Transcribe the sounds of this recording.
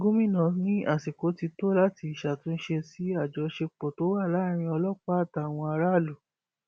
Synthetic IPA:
ɡo˦mĩ˦˨nã˨nĩ˦ʔa˦˨si˨ko˨˦ti˧to˦la˦ti˧i˨ʃa˨tũ˨˦n̩˦ʃe˧si˦a˦˨d͡ʒɔ˨˧˦ʃe˧k͡pɔ˨to˨˦wa˦˨la˦˨ɾ̃ĩ˧ɔ˧lɔ˦˨k͡pa˦˨ta˨w̃ɔ̃˧a˧ɾa˦˨lo˨

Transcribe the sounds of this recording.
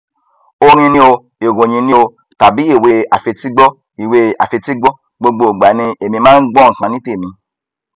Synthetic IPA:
o˧ɾ̃ĩ˧nĩ˦o˧ | e˨wõ˨ɲĩ˧nĩ˦o˧ | ta˨bi˨˦e˦˨we˧a˨fe˧ti˦ɡ͡bɔ˦ | i˨we˧a̰˨fe˧ti˦ɡ͡bɔ˦ | ɡ͡bo˧ɡ͡bo˧o˨ɡ͡ba˨˦nĩ˧e˨mĩ˧mãː˦n̩˦ɡ͡bɔ˦ŋ̩˨kã˧nĩ˦te˦˨mĩ˧

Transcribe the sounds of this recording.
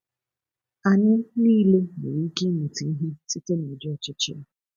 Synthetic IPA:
a˨nɪ˦niː˦le˦mḛ˨ɾi˨˦ke˦mu˨ti˨˦ɦi˦ti˦te˦ne˨d͡ʒɔ˨t͡ʃɪ˦t͡ʃɪ̰˦a˨

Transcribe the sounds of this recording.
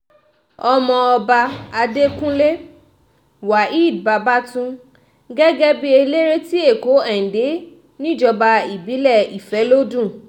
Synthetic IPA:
ɔ˧mɔ̃˧ɔ˧ba˧a˧de˦kũ˦le˦ | wa˨i˦˨dba˧ba˦tũ˦ | ɡɛ˦ɡɛ˦bi˦e˧le˦ɾe˦ti˦e˦˨ko˨˦ɛ˦˨n̩˨de˨˦ | nĩ˦˨d͡ʒɔ˧ba˧i˨bi˨˦lɛ˦˨i˨fɛ˨˦lo˦dũ˦˨

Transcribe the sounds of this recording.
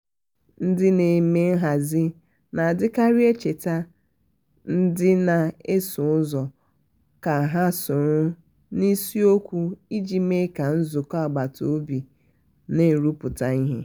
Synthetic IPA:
n̩˦dɪ˦ne˨me˦n̩˦ɦa˨zɪ˦ | na˨a˨dɪ˦ka˦ɾi˦e˦t͡ʃe˨ta˦ | n̩˦dɪ˦na˨e˦sʊ˨ʊ˦zɔ˨ | ka˨ɦa˦sʊ˨ɾʊ˦ | ni˦si˦o˦kʷu˦i˦d͡ʒi˨me˦ka˨n̩˦zʊ˨kɔ˦a˨ɡ͡ba˨to˨˦bi˨ | ne˨˦˨ɾu˦pʊ˨ta˦i˦ɦe˦

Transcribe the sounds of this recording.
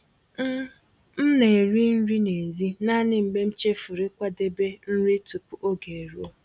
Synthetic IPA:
m̩˦ne˨ɾi˦n̩˦ɾi˦ne˨zi˦na˦nɪ˦m̩˨ɡ͡be˦m̩˦t͡ʃe˦fʊ˨ɾɪ˦kʷa˦de˦be˦n̩˦ɾi˦tu˨pu˨ʔo˦ɡe˨ɾu˦o˦

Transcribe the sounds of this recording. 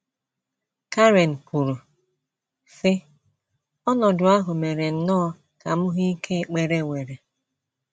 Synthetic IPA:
ka˦ɾe˨n̩˨pu˨ɾu˨ | fɪ˦ | ɔ˦nɔ˨dʊ˨a˦ɦʊ˨me˨ɾe˨n̩˨nɔː˦ | ka˨mʊ˦ɦi˦i˦kʰe˦˨k͡pe˨ɾe˨wʷe˨ɾe˨

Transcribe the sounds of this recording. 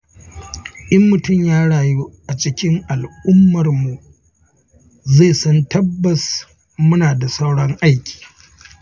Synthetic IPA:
ʔɪ˦mːʊ˨tʊ˦˨mjaː˦ɽaː˨ju˦ʔa˨t͡ʃɪ˦kʲɪ˦ŋʔa˨lʔʊ˦mːɐ˨rmu˨ | zeː˦˨sɐ˦ntɐ˦bːɐ˨s | mʊ˦naː˨da˨sɐ˦wɽɐ˦ŋʔa˦jkʲʰi̥ː˨

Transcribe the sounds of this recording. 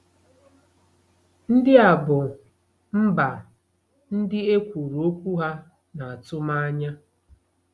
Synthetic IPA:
n̩˦dɪ˦a˨bʊ˨ | m̩˦ba˨ | n̩˦dɪ˦e˦kʷu˨ɾo˦kʷu˦ɦa˦ | na˨a˨tʊ˦ma˦a˦ɲa˦

